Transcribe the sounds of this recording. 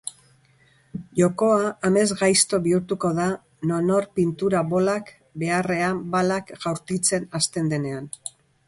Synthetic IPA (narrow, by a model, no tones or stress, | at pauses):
ʝo̞ko̞aːme̞zɣajst̪o̞βiuɾt̪uko̞ð̞a | no̞no̞ɾpint̪uɾaβo̞lak | be̞are̞ambalakɣ̥awɾt̪it͡se̞nast̪e̞nd̪e̞ne̞an